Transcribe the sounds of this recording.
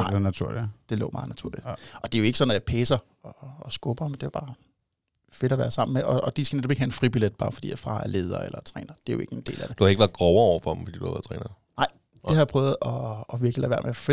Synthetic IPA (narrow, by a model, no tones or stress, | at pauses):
ɑ̈næt͡sʰuɐ̰lid̥e̝lɔ̰ːmɑ̈ːð̩næt͡sʰuɐlid̥ʔɒ̽d̥e̝jo̝e̝ɡ̥sɒ̽næpʰeːsɐ | ɒːsɡ̥ɔb̥ɐmend̥e̝ʋɑb̥ɑ̈ː | fe̝ɾ̥ɒʋæːɐsɑ̈m̰n̩meʔɒ̽ːd̥isɡ̥ænedɒb̥e̝ɡ̥hæenfʁib̥iled̥̚b̥ɑ̈ːfɒ̽d̥ḭːjɑ̈fʁɑ̈ːæɐleːð̞ˠɐelɐt͡sʰʁɛ̰ːnɐd̥e̝jo̝e̝ɡ̥əend̥e̝̰ːlæd̥ed̥uhɑ̈eɡ̥əʋæɐðˠɡ̥ʁɒʊɐɒʊ̰ɐfɒ̥m̩fɔd̥ḭduhæ̰ʋæɐð̩̰ˠt͡sʰʁɛ̰ːnɐnɑ̈ɪ̰ | d̥e̝hɑjɑ̈pʰʁœːʊð̞̩ˠɒːʋiɐɡ̥əlæʋæɐ̰mef